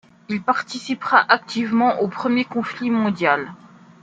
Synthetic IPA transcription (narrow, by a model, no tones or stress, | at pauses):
ilpaʁt̪isipχaʔak̚t̪ivmɑ̃ʔopχəmjekɔ̃flimɔ̃d̪jal